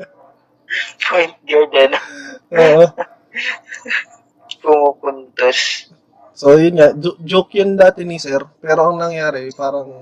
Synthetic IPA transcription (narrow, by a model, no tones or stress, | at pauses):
pʰojnt̪̚ɡoɲɐnʔoːʔo | pʊmupʊnt̪os | sojʊnɲad͡ʒod͡ʒokjond̪aːt̪ɛnisɛɾpɛːɾoʔɐŋnɐŋjaːɾɛpaːɾɐŋ